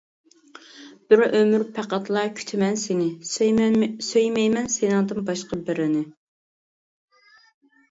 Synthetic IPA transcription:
b̥ɪɾømyɾpʰæqɑt̪ʰlˠɑkʲʰy̥t̪ʰɪmɛnsenɪ | søjmɛjmɛnsenɨŋd̪ɨnbɑʃqɑbɪɾɪnɪ

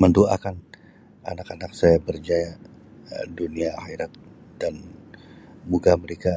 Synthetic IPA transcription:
məndoa̰kan | a̰nakanak̚sajabərd͡ʒaja | duniahiɾat̪̚d̥an | muɡaməɾeka

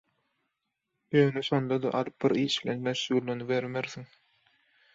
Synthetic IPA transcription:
jøːneʃond̪ɑd̪ɑʔɑɾɯp̚biɾiːʃbilenmeʃɣuɾlenibeɾmeɾθiŋ

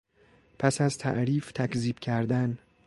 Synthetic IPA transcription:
pʰæsæzt̪ʰæ̰ʔɾiːft̪ʰækziːb̥cʰæɾd̪æn

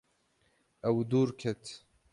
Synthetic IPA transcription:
ɐwd̪uːɾkʰɛt̪ʰ

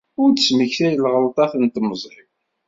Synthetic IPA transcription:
ʊɾtəsməçθæjəlʁəlt̪ˤɑθənt̪məzˤɾiw

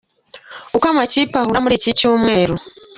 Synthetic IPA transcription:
ukamat͡ʃipahuɾamuɾit͡ʃit͡ʃuːmweɾo

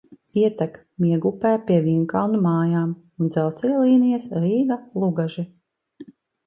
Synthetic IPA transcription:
iɛt̪æk | miɛɡupæːpʲiɛviɲkalˠnumaːjaːm | und̪zɛlt̪silˠiːnijasɾiːɡalˠuɡaʒi

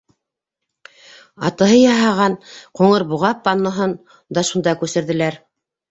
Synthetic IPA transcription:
ɑt̪ɤ̆ɦɤjɑɦɑʁɑnquɴɤɾbuʁɑpːɑnːɤ̆ɦɤn | d̪ɑʃund̪ɑkʉsɘ̆ɾðɘ̆læɾ

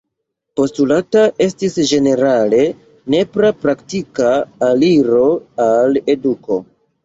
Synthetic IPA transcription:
po̞stulataʔe̞stisd͡ʒe̞ne̞ɾale̞ | ne̞pɾapɾaktikaːliɾo̞ale̞duko̞

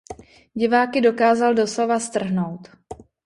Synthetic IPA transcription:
ɟɪvaːkɪdo̞kaːzaldo̞slovast̪r̩ɦno̞wt̪

